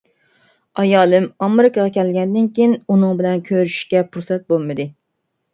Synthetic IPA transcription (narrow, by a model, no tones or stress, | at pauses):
ɑjɑːlˠɨmɑmɪɾɪkʰɑʁɑkʲʰɛlɡʲɛnd̪ɪnkʲijinunɨŋbɪlɛnkʲʰøɾyʃʃkʲɛpʰuɾsɛt̪̚bolˠmɨd̪ɨ